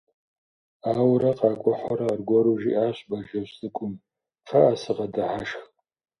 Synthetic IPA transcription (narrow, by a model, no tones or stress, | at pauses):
aːwɾɐqɑːkʷʼɔħɔɾɐrɡʷɔɾuʒḭʔaːɕbɐʒɐɕsʼɨkʷʼʊm | fʰɐʔasɨqɐdɨħaʃx